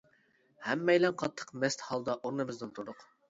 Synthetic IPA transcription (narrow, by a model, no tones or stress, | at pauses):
hɛmːɛjlɛnqʰɑt̪ʰːə̥qmɛst̪hɑlˠd̪ɑʔoɾnɨmɨznɨnt̪ʰuɾd̪ʊq